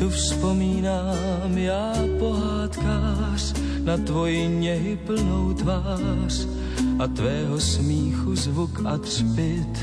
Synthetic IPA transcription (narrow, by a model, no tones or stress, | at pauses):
t̪ufspo̞miːnaː | mjaːpo̞ɦaːt̪kaː | r̥ | nat̪vo̞jɪɲɛɦɪpl̩nowt̪vaːr̥ | ʔat̪vɛːɦosmiːxuzvukʔat̪r̥pɪt̪